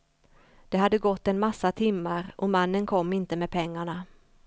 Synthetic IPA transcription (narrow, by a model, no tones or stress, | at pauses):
d̪̥ɛɦad̪ːəɡɔt̪ːɛnmasːat̪ʰɪmːaɾʔɔmanːənkʰɔmːɪnt̪əmɛːd̪̚pʰɛŋːaɳa